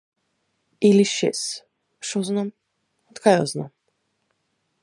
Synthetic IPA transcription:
iliʃɛ̰s | ʃɔznɔm | t̪kʰajɔznɔ̰m

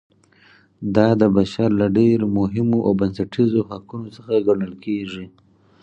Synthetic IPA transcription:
d̪ɑd̪əbaʃaɾlaɖeɾmʊɦɪmoʔawbansaʈizohakunosəxaɡaɽəlkʰeʐi

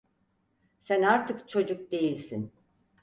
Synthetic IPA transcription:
sænaɾt̪ʰɯkt͡ʃʰo̞d͡ʒuk̚d̪e̞jilʲsin

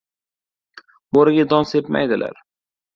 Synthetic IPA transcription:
boɾɪɡʲad̪ɒnsepma̰jd̪ɪlʔa̰ɾ

